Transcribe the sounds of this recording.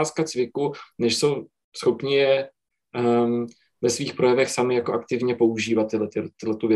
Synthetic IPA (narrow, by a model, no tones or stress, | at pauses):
skat͡svɪkunɛʃso̞w | sxo̞pɲɪjɛ | vɛsviːxpɾo̞jɛvɛxsamɪjakoʔakt̪ɪvɲɛpo̞uʒiːvat̪ːɪlɛt̪ɪt̪ːɪlɛt̪uvjɛ